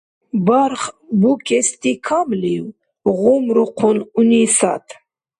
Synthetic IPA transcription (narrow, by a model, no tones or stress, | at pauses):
baɾχbukʼɛst̪ʼikʰamliw | ʁumɾuqʰununisa̰t̪ʰ